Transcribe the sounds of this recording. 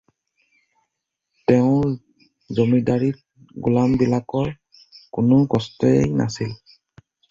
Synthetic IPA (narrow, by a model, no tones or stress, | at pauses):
tɛʊ̃ | zomidaɹit̚ | ɡulambilakɔɹ | kʊnʊkɔstɔejna̰sil